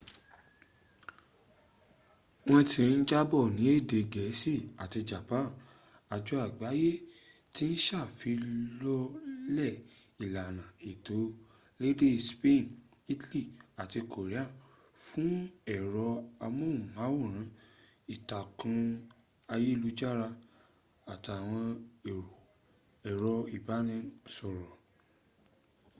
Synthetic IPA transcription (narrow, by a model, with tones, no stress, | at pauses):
w̃ɔ̃˦˧tĩ˧n̩˦d͡ʒa˦bɔ˦˨nĩ˨˦e˦˨de˨ɡɛ˨˦si˦˨a˨ti˧d͡ʒa˨pã˦˨ | a˨d͡ʒɔ˨˧˦a˦˨ɡ͡ba˨˦je˦ | ti˦n̩˦ʃa˦˨fi˨˧˦lɔ˦lɛ˦˨i˨la˨nã˨e˨to˨˦ | le˦de˦˧˨spe˦˨n˨ | i˦tli˦˨a˨ti˧ko˨ɾi˨˦a˦˨ | fũ˦ɛ˨ɾɔ˧a˧mõ˦˨mã˨˦wo˦˨ɾ̃ã˨˦ | i˦˨ta˨kʰã˧ | a˧je˦˧lu˧˦d͡ʒa˦ɾa˧ | a˨ta˨w̃ɔ̃˧e˨ɾo˨ | ɛ˨ɾɔ˧i˨ba˨˦nɛ̃˦nsɔ˨ɾɔ˨